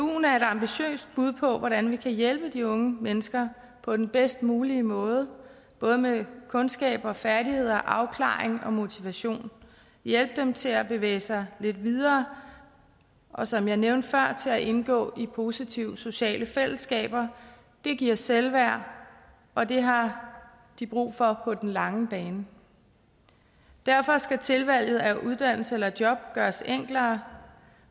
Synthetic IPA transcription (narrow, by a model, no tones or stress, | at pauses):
ṵːn̩æɐe̝dɑ̈mb̥iɕø̰ːsd̥̚b̥uð̞ˠpʰɒ̽ʋɒɾ̥ænʋikʰæjelb̥əd̥iɔ̽ŋəmenəsɡ̥ɐ | pʰɒ̽d̥enb̥esd̥muːliəmɔ̽ːð̞ˠə | b̥ɔ̽ːð̞ˠəmekʰɔ̽nsɡ̥ɛ̰ːb̥ɐfæɐɾihe̝ð̞̰ˠɐʔɑ̈ʊkʰlɑ̰̈ːeŋɒ̽mo̝t͡sʰiʋæɕo̝̰ːn | jel̰b̥̚d̥emt͡sʰe̝læb̥e̝ʋḛːsɑ̈ɪle̝d̥ʋið̞ˠɐː | ʔɒ̽sɒ̽mjɑ̈ɪneʊnd̥fɶɐ̰t͡sʰe̝læʔe̝nɡ̥ɔ̰̽ːipʰo̝ːsit͡sʰiʊ̰so̝ɕɛ̰ːləfel̰əsɡ̥ɛ̰ːb̥ɐ | d̥e̝ɡ̥iɐ̰selʋæɐ̰ | ʔɒ̽d̥e̝ɦɑ̈ | d̥ib̥ʁṵːfɒ̽pʰɒ̽d̥enlɑ̈ŋəb̥ɛːnə | d̥æɐfɒ̽sɡ̥æt͡sʰe̝lʋæl̰jð̞̩ˠæʔuð̞ˠd̥æn̰l̩səelɐd̥jɒ̽b̥̚ɡ̥ɶːɐseŋ̰ɡ̥lɐː